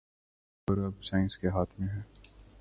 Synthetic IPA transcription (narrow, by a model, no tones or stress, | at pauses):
ɔɾɐbsaːɪ̃nskeɦaːt̪ʰmẽɦɛː